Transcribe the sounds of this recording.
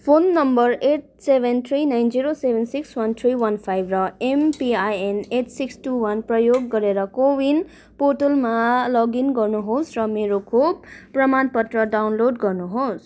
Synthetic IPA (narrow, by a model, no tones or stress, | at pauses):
pʰonːʌmbʌreʈ̚ | sebʱent̪ʰɾinajnd͡ziɾosebʱensikswʌnt̪ʰriwʌnpʰajbʱrʌempiajeneʈsiksʈuwʌnprʌjoɡːʌɾeɾʌkowin | poʈolmalʌɡinɡʌrnuɦosrʌmeɾokʰobːrʌmanpʌt̪rʌɖawnloɖɡʌrnuɦos